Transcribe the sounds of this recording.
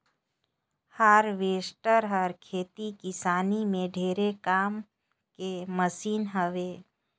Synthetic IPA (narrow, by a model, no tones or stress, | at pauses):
haːɾʋeːsʈəɾɦəɾkʰeːt̪ikɪsaːnimẽɖʱeːɾekaːm | keməsiːnɦəʋeː